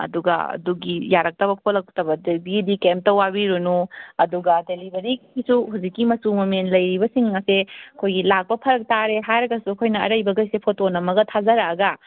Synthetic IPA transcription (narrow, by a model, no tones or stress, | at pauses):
ɐ̰duɡɐ̰ɐ̰duɡijaɾɐk̚tɐbɐkʰolɐk̚tɐbɐdebidikemp̚tɐwabiɾunuɐduɡɐdelibʱɐɾiisuhawzikːimɐsumomenlɐjɾibɐsiŋːaseɐɐkʰojɡilak̚pɐpʰɐɾɐk̚taɾeɦajɾɐɡɐsuɐkʰojnɐɐ̰ɾɐjbɐɡɐjsepʰotonɐmɐɡɐtʰazɐɾaɡɐ